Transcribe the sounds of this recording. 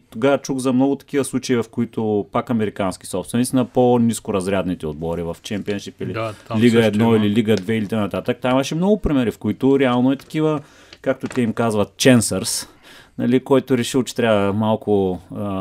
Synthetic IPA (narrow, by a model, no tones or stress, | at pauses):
t̪oɡavɐt͡ʃuɣzɐmnɔɡʊt̪ɐ̥kʲivəslˠut͡ʃɐivɐfkoit̪opakɐmɛɾikanski̥sɔpst̪vɛnit̪snɐponiskʊɾɐzɾʲad̪nit̪ɛod̪̚bɔɾivɐft͡ʃɛmpiɐnʃipililiɡəɛd̪nɔililiɡəd̪vɛilit̪əjnɐt̪at̪ək̚t̪aimɐʃɛmnɔɡʊpɾimɛɾifkoit̪ʊɾɛalˠnoɛt̪ɐ̥k̟ivə | kak̚t̪ot̪ɛimkazvɐt̪̚t͡ʃɛnsəɾs | nɐlikɔjt̪ʊɾɛʃilˠt͡ʃɛ̥t̪ɾʲavəmalˠkʰʊ